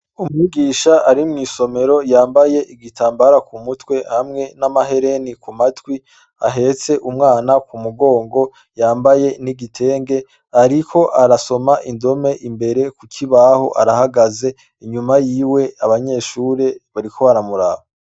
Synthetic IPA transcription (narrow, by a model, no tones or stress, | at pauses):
umŋiɡiːʃaaɾimŋiːso̞me̞ɾo̞jaːmbaje̞ʔiɡitʰaːmbaɾakʰumutwe̞hamŋe̞namaɦe̞ɾe̞nikumatwi | aɦe̞t͡se̞ʔumŋaːnakumuɡo̞ːŋɡo̞ | jaːmbaje̞niɡitʰe̞ːŋɡe̞ | aɾikʰo̞ʔaɾaso̞maʔindo̞me̞ʔimbe̞ɾe̞kukʰiβaho̞̰ʔaɾahaɡaze̞ | iɲumajiːwe̞aβaɲe̞ːʃuːɾe̞βaɾikʰo̞βaɾamuɾaːβa